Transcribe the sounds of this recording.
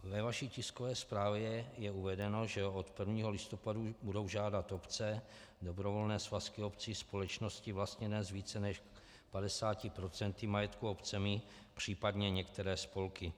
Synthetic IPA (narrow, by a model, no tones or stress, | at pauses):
vɛvaʃiːcɪskovɛːspɾaːvjɛjɛuvɛdɛno̞ʒɛot̪pr̩vɲiːɦo̞lɪst̪o̞padubudo̞wʒaːdat̪o̞pt͡sɛ | do̞bɾovo̞lnɛːsvaskɪopt͡siːspo̞lɛt͡ʃno̞scɪvlast̪ɲɛdɛzviːt͡sɛnɛʃ | padɛsaːcɪpɾo̞t͡sɛnt̪ɪmajɛt̪kuopt͡sɛmɪ | pr̝̥iːpadɲɛɲɛkt̪ɛɾɛːspo̞lkɪ